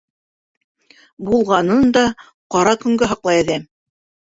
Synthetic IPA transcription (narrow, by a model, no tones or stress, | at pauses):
bulˠʁɑnɤnd̪ɑ | qɑɾɑkɵ̆ŋɡæɦɑqlˠɑjæðæm